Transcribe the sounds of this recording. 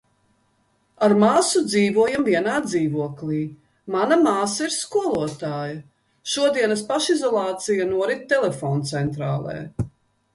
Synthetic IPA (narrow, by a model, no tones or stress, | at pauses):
aɾmaːsud̪ziːvuɔjamviɛnaːd̪ziːvuɔkliː | manamaːsaiɾskuɔlˠuɔt̪aːjɐ | ʃuɔd̪iɛnɐspaʃizɔlˠɑːt̪sijanuɔɾit̪̚t̪ːɛlɛfɔːnt̪sɛnt̪ɾa̰ːlˠɛ̰ː